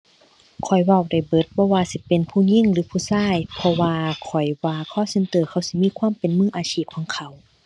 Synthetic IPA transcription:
kʰɔ˨˩jwa˧˩˨wda˧˩jbɤ˧˦t̪̚bɔː˧˨waː˧si˧˦pe˨npʰuː˧˩ɲi˧˨ŋlɯː˨˦pʰuː˧˩˨saː˧˥˩jpʰɔ˧waː˧kʰɔ˨˩jwaː˧kʰɔː˧˥˨sɤ˧nt̪ɤː˧˩kʰa˧˩˨wsi˧˦miː˧˥˨kʰwaː˧˥˨mpe˨nmɯː˧˥˨ʔaː˨siː˧˩p̚kʰɔː˧˦ŋkʰa˧˩w

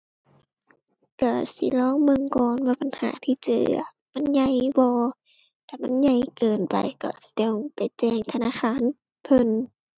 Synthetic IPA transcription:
ka˧˩sḭ˧˦lɔː˧˥˨ŋmɯ˧˨ŋkɔː˧nwaː˧˩pa˨nha̰ː˨˦t̪ʰiː˧˨t͡ɕɤ̰ː˧˩˧ | ma˧˥˨nɲa˧˨jbɔː˧ | t̪ʰa˧˩ma˧˥˨nɲa˧˩˨jkɤː˨˩npa̰˨jkɔ̰˧˩si̥˧˦de˧˩wpa˨jt͡ɕɛː˧˩ŋt̪ʰa˧naː˧˥˨xʰaː˧˥˨n | pʰɤ˧n

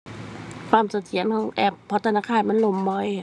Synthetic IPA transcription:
kʰwaː˧˩˨msa˨˧t̪̚ʰsi˨˦ə˦nkʰɔː˧˥˦ŋʔɛ˧˩pʰːɔ˧˦t̪ʰa˧naː˧˩kʰaː˧˩˨nma˧˥˨nlo˧˩mːɔ˧˥˩j

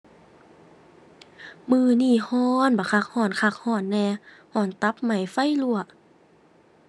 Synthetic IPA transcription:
mɯː˧˨niː˧˥˨hɔː˧˥˨nbaː˨˩kʰa˧˩k̚hɔː˧˩nkʰa˧˩k̚hɔː˧˥˩nːɛː˧˩hɔː˧˩˨nt̪a˧˦p̚ma˧˩jfa˧˥˨jlu˧˨ɐ˩ʔ

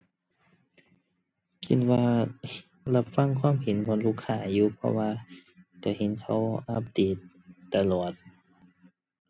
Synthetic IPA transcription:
kʰi˨˦nwaː˧ | la˧p̚fa˧˨ŋkʰwaː˧˥˨mhe˨˦nbɔ˧˦nluː˧˥˩kʰːaː˧˩juː˧pʰɔ̰˧waː˧ka˧˩he˨˦nkʰa˧˥wʔa˧˥p̚deː˨˦˩t̪̚ː | a˧lu˨˩ət̪̚

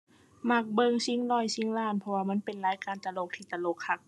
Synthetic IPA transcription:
ma˧˩k̚bɤ˧ŋsi˧˥˨ŋlɔː˧˩jsi˧˥˨ŋlaː˧˩˨npʰɔ˧waː˧˨ma˧˥˨npe˨nlaː˨˦jkaː˨˧˨nt̪a˨˧˨lo˧˩k̚t̪ʰiː˧˩t̪a˨˧˨lo˧˩k̚hʰa˧˩k̚

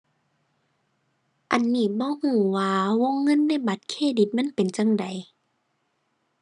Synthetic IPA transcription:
ʔa˨nːiː˧˩bɔː˧˦huː˧˩waː˧wo˧˥˨ŋːɤ˧˥˨nːa˧˥˩ba˧˦t̪̚kʰeː˧˥˨di˧˦t̪̚ma˧˥˨npe˨nt͡ɕa˧˨ŋda˨˩j

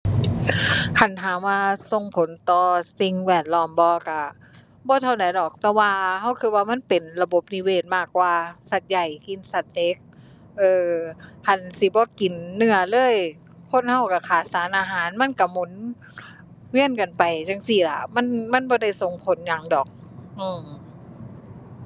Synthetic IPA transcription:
kʰa˧˨˩nɦʰaː˨˦mwaː˧so˧ŋpʰo˨˦nt̪ɔː˧si˧ŋwɛː˧˩t̪̚lɔː˧˩mbɔː˧ka˧˩ | bɔː˧˦t̪ʰa˧wda˨˦jdɔː˨˩k̚t̪ɛː˧waː˧ha˧˥˩wkʰɯː˧waː˧ma˧˥˨npe˨˩nla˧bo˧˦p̚ni˧weː˧˩t̪̚maː˧˩kːwaː˧sa˧˩t̪̚ja˨˧˩jki˧˨nsa˧t̪̚ːe˧˥k̚ | ʔɤː˧kʰa˧˩nsi˧˦bɔː˧˦ki˨˩nːɯ˧˩ɐlɤː˧˥˨j | kʰo˧˥˨nha˧˩wka˧˩kʰaː˨˩t̪̚saː˨˦nʔaː˧ɦaː˨˦nma˧˥˨nka˧˩mu˨˦n | wi˧˥ə˨nka˨˩npa˨jt͡ɕa˧ŋsi˧˩la˧˩ma˧˥˨nma˧˥˨nbɔː˧˦da˧˩jso˨˧˩ŋpʰo˨˦nɲa˧ŋdɔː˨˩k̚ʔɯː˧˩

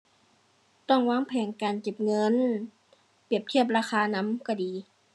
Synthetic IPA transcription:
t̪ɔ˧˥˩ŋwaː˧˥ŋpʰɛː˧˩ŋkaː˨nke˨˩p̚ŋɤ˧˥˨n | pi˧˩əp̚t̪ʰi˥˩əp̬̚ɾaː˧xaː˧na˧˥mka˧˩diː˨˩

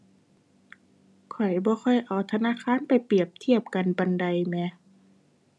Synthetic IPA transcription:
kʰɔ˨˩jbɔː˧˦xʰɔ˧˩jʔa˨˩wt̪ʰa˧naː˧˥˨kʰaː˧˥˨npa˨˩jpi˨˩əp̚t̪ʰi˧˩əp̚ka˨nba˧˨nda˧jmɛː˧

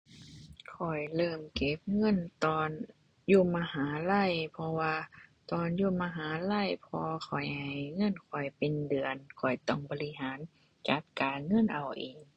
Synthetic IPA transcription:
kʰɔ˨˩jlɤː˧˩mke˧˦p̚ŋɤ˧˥˨nt̪ɔː˧n | juː˧˩maː˧haː˨˦la˧˥˨jpʰɔ˧waː˧t̪ɔː˧njuː˧maː˧ɦaː˨˩˦la˧˥˨jpʰɔ˧kʰɔ˨˩jha˨˧˩jŋɤ˧˥˨nkʰɔ˨˩jpe˨ndɯ˨˩ənkʰɔ˨˩jt̪ɔ˧˩ŋbɔː˧li˧ɦaː˨˦n | t͡ɕa˧˦p̚kaː˨ŋɤ˧˥˨nʔa˨˩wʔiː˨˩ŋ

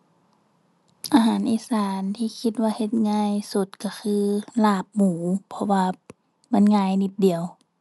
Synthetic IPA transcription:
ʔaː˧ɦaː˨˦nʔiː˧˦saː˨˦nt̪ʰiː˧˨kʰi˧t̪̚waː˧he˧t̪̚ŋaː˧˥˨jsu˧˦t̪̚ka˧˩xʰɯː˧laː˧˩p̚muː˨˩˦pʰɔ˧waː˧ | ma˧˥˨nŋaː˧˨jni˧p̪̚di˨əw

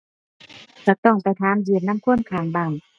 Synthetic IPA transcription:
t͡ɕa˧˩t̪ɔː˧˥˩ŋpa˨jt̪ʰaː˧˦˨mdiː˨˩˨p̚na˧˥˨mkʰu˧˥˨nkʰaː˨˩ŋbaː˧˩ŋ

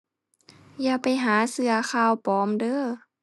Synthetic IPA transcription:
jaː˧˩pa˨˩jɦaː˨˦sɯ˧ɐxʰaː˧˨wpɔː˨˦mdɤː˧˥˨

